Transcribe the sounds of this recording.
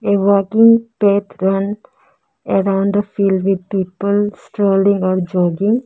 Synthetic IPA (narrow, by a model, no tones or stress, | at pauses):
ewɔkɪ̃ŋpet̪ʰɾʌ̃n | əɾãʊ̃ɳɖ̪əfiːlɖʋɪd̪̚piːpəlsʈɾoːlɪ̃ŋɡɔːɾd͡ʒɔːɡɪ̃ŋ